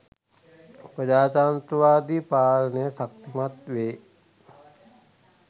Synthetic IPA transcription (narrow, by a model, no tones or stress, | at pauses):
pɾəd͡ʒaːt͡ʃaːnt̪ɾəʋaːd̪ipaːlənəjəsak̚t̪imat̪ʋeː